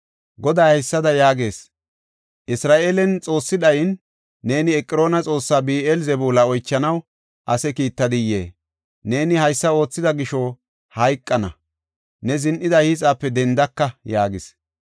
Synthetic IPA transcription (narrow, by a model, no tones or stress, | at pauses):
ɡɔd̪ɐjhɐjsːɐd̪ɐjaːɡe̞ːs | ʔɪsɾaːʔe̞ːlɛnt͡sʼo̞ːsːɪd̪ɐjnː | e̞ːnɪɛkʼːɪɾo̞ːnɐt͡sʼo̞ːsːaːbiːʔelzɛbuːlɐɔjt͡ʃːɐnɐw | ʔɐsɛkiːt̪ːɐd̪ɪjḛː | ne̞ːnɪhɐjsːɐo̞ːt͡sːɪd̪ɐɡɪʃɔ | hɐjkʼːɐnɐ̰ | nɛzɪnʔɪd̪ɐhiːt͡sʼaːpːɛd̪ɛnd̪ɐkːɐjaːɡɪs